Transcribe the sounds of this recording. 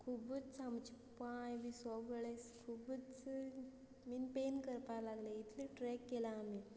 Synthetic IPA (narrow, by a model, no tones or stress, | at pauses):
kʰubət͡st͡samt͡ɕi | pajʋisɔʋɡəɭeskʰubət͡s | minpenkəɾpalaɡleit̪ʰliʈɾɛkːelaːmi